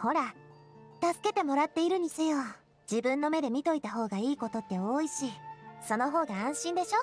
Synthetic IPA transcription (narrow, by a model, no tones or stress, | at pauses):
ho̞ɾa | t̪asɨ̥ke̞t̪e̞mo̞ɾat̪ːe̞iɾɯ̟ɲ̟isɨjoː | d͡ʑibɯ̟̃nːo̞me̞d̪e̞mʲit̪o̞it̪aɦo̞ːɡaiːko̞t̪o̞t̪ːe̞o̞ːiɕiso̞no̞ɦo̞ːɡaãɰ̃ɕĩnd̪e̞ɕo̞